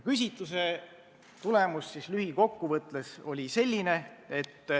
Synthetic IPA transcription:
kys̬ʲit̪ːˑuse̞ | t̪ule̞musːislyhiko̞kːuvɤt̪ˑleso̞lʲise̞lʲːine̞e̞t̪ː

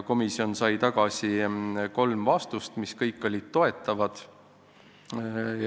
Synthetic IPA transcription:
ko̞misio̞nsɑjt̪ɑɡ̥ɑsiko̞lmvɑst̪ust̪miskɤjkˑːo̞lʲːit̪ːo̞e̞t̪ːˑɑvɑd̪̥

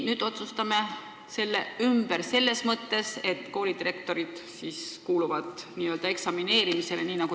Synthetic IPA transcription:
nyːd̪̥o̞t̪sust̪ɑme̞ | se̞lːeymb̥e̞ɾse̞lːe̞smɤt̪ːe̞se̞t̪ːˑko̞ːlid̪iɾe̞k̚t̪o̞ɾid̪̥siːskuːluvɑd̪̥niːø̞ld̪ɑe̞ksɑmine̞ːɾimise̞leniːnɑɡ̥u

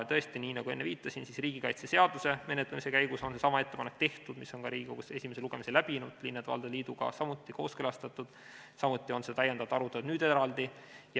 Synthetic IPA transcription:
t̪ɤ̞est̪iniːnɑɡ̥ue̞nːeviːt̪ˑːɑsinsisriːɡ̥ikɑjt̪sese̞ɑd̪̥use̞me̞net̪lemise̞kæjɡuso̞nse̞sɑmɑe̞t̪ːepɑnek̚ːt̪e̞ht̪ud̪̥misːo̞nkɑɾiːɡ̥ʲikoɡ̥use̞sʲime̞se̞luɡ̥e̞mise̞læb̥inud̪̥linːet̪ɑ̰ld̪̥eliːd̪uɡ̥ɑ̰sɑmut̪ːˑiko̞ːskølɑst̪ɑt̪ːˑud̪̥ | sɑmut̪ʲːˑio̞nse̞t̪æjːed̪̥ɑvt̪ɑɾut̪ːˑed̪nyːd̪e̞ɾɑld̪̥ij

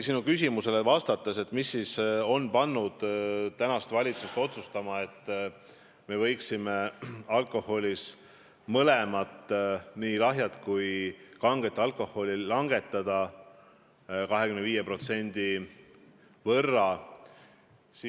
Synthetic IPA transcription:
sinukysʲimuse̞le̞vɑst̪ɑt̪ːˑese̞t̪ːˑmisːiso̞npɑnːud̪̥t̪ænɑst̪vɑlʲit̪sust̪o̞t̪sust̪ɑmɑe̞t̪ː | me̞vɤ̞jksime̞ɑlkˑo̞ho̞lʲis | mɤlemɑt̪ːˑniːlɑɦjɑt̪kujkɑŋɡ̥et̪ːˑɑlkˑo̞hːo̞lʲilɑŋɡ̥e̞t̪ːˑɑd̪̥ɑ | kɑɦekymnviːjepro̞t̪se̞nd̪̥i | vɤrːɑ | si

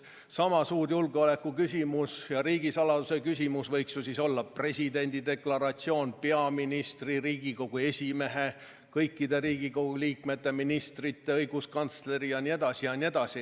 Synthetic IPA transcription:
sɑmɑsuːɾjulɡeole̞kːˑukysʲimusjɑɾiːɡ̥isɑlɑd̪usekys̬ʲimusvɤjksjusiso̞lːɑpre̞sʲid̪e̞nʲd̪̥id̪e̞klɑɾɑt̪sio̞ːnpe̞ɑminist̪riɾiːɡ̥iko̞ɡ̥ue̞sʲimeɦe | kɤjkːid̪e̞ɾiːɡ̥iko̞ɡ̥uliːkme̞t̪ːe̞minist̪rit̪ːˑe̞ɤjɡ̥uskɑnt̪sle̞ɾijɑnie̞d̪̥ɑsijɑnʲie̞d̪̥ɑsi

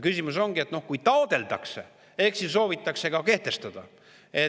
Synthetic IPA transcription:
kysʲimus̬o̞ŋɡ̥ie̞t̪no̞hkujt̪ɑod̪̥e̞ld̪ɑkse̞̰ | e̞ksisso̞ːvit̪ːˑɑkse̞kɑke̞ht̪e̞st̪ɑd̪̥ɑ | e̞

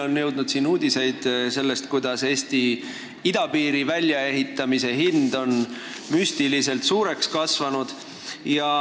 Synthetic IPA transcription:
o̞nːɤwd̪̥nud̪̥siːnuːd̪̥ʲise̞jd̪̥se̞lːe̞st̪kujd̪̥ɑse̞ːst̪i | id̪̥ɑpiːɾivælʲjɑe̞ɦit̪ːˑɑmise̞ɦind̪o̞n | myst̪ilise̞lt̪suːɾe̞kskɑsvɑnud̪̥ | jɑ

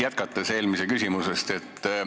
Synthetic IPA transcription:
jæt̪̚kɑt̪ːˑese̞ːlmisekysʲimusest̪e̞t̪ː

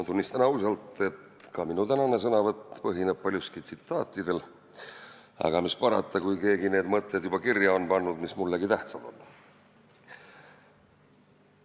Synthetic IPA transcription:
t̪unʲːist̪ɑnɑusɑlt̪ˑe̞t̪ | kɑminut̪ænɑne̞s̬ɤnɑvɑt̪ːpɤɦineb̥̚pɑlʲjuskit̪sit̪ːˑɑːt̪ːˑid̪̥e̞l | ɑ̰ɡɑmispɑɾɑt̪ˑːɑkujke̞ːɡine̞ːd̪mɤt̪ːˑed̪̥jub̥ɑkirjɑo̞npɑnːud̪mismulːeɡit̪æht̪sɑd̪̥o̞̰nː

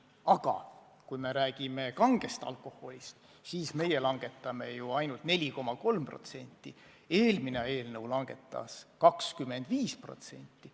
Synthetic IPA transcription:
ɑɡ̥ɑ̰ | kujme̞ɾæːɡ̥ime̞kɑŋɡ̥e̞st̪ɑ̰lkˑo̞ho̞lʲist̪ | siːsme̞je̞lɑŋɡ̥e̞t̪ːˑɑme̞juɑjnult̪ne̞lʲiko̞mɑko̞lmpro̞̰t̪se̞nʲt̪ːˑi | e̞ːlmineɑe̞ːlnɤwlɑŋɡ̥e̞t̪ːˑɑ̰skɑkskymːe̞nd̪̥viːspro̞̰t̪se̞̰nʲt̪ːi

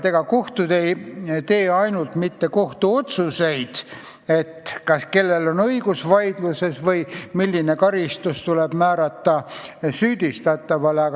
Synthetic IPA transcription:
t̪eɡ̥ɑko̞ht̪ud̪e̞jt̪e̞ːɑjnult̪mit̪ːe̞ko̞ht̪uo̞t̪suse̞jd̪̥ | e̞t̪kɑske̞lːe̞lonɤiɡ̥usvɑjd̪̥luse̞svɤjmilʲːine̞kɑɾist̪ust̪uleb̥mæːɾɑt̪ːɑsyːd̪̥ʲist̪ɑt̪ːˑɑvɑleɑ

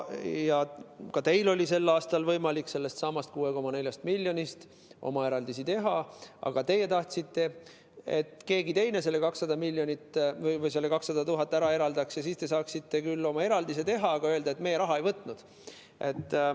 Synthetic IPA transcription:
jɑkɑt̪e̞jlo̞lʲise̞lːɑːst̪ɑlvɤjmɑlikse̞lːe̞st̪sɑmɑst̪̚kuːe̞ko̞mɑne̞lʲjɑst̪milʲːjo̞nʲist̪ | ʔo̞̰mɑe̞ɾɑld̪isit̪e̞ɦɑɑ̰ɡ̥ɑt̪e̞je̞t̪ɑht̪sit̪ːe̞ | et̪ke̞ːɡit̪e̞jne̞se̞lːe̞kɑksːɑd̪̥ɑmilʲːjonit̪ːvɤjvɤjse̞lːe̞kɑksːɑd̪̥ɑt̪uɦɑt̪ːˑæɾɑe̞ɾɑld̪ɑksjɑsiːst̪e̞s̬ɑːksit̪ːe̞kylːo̞mɑe̞ɾɑld̪is̬e̞t̪e̞ɦɑɑɡ̥ɑøld̪ɑet̪me̞jeɾɑɦɑe̞jvɤt̪ˑnud̪̥ | ʔe̞t̪ː

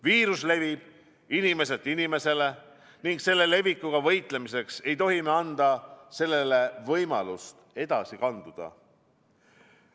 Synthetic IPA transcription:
viːɾusle̞vib̥ | inime̞s̬e̞t̪ːˑinime̞se̞le̞ | niŋɡse̞lːe̞le̞vikːuɡ̥ɑvɤ̞jt̪ˑle̞mise̞kse̞jt̪o̞ɦimeɑnd̪ɑse̞lːe̞le̞vɤjmɑlust̪e̞d̪̥ɑsikɑnd̪̥ud̪̥ɑ̰

